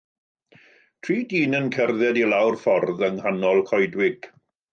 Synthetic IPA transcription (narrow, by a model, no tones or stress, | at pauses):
tʰriːdiːnənkʰɛrðɛdilawrfɔrðəŋhanɔlˠkʰɔjdwɪɡ̥